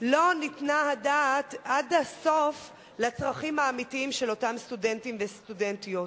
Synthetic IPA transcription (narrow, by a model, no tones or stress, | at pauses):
lo̞nitnahadaːtadhaso̞f | lat͡sʁaχimhaːmitiimʃelo̞tamstudentimvestudentijot